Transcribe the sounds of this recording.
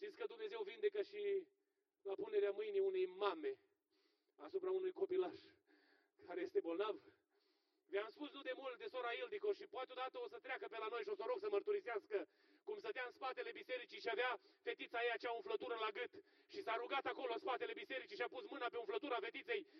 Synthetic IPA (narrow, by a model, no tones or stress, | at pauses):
ʃt̪it̪skəd̪umne̞ze̞wvind̪e̞kəʃi | lapune̞ɾeamɨjniunejmame̞ | asupɾaunujko̞pilaʃ | kaɾe̞je̞st̪e̞bo̞lnav | veamspusnud̪e̞mult̪̚d̪esoɾaild̪iko̞ʃipoat̪eod̪at̪əosət̪ɾeakəpe̞lano̞jʃio̞soɾoɡsəmərt̪uɾiseaskə | kumsəd̪easpat̪e̞le̞bise̞ɾit͡ʃiʃiavafe̞t̪it̪sajejat͡ʃaɨɱflət̪uɾəlaɡɨt̪ | ʃisaɾuɡat̪ako̞lo̞nspat̪e̞le̞bise̞ɾit͡ʃiʃiapusmɨnapeonflət̪uɾafe̞t̪it̪se̞j